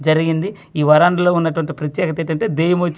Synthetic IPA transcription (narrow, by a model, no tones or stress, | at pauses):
d͡ʒɐɾiɡind̪i | iːʋɐɾaːɳɖɐloːunːɐʈɐʋɐɳʈipɾɐt̪jɛːkɐt̪eʈɐɳʈe̞ːd̪ɛːjɐmot͡ʃː